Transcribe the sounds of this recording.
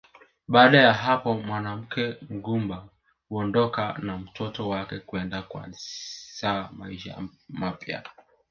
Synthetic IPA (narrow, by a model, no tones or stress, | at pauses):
ɓaːɗajaɦapɔmwanam̩kɛŋ̩ɡumba | huɔndɔkanam̩tʰɔtɔwakɛkuɛndakwa̰nsama̰iʃa̰mapja̰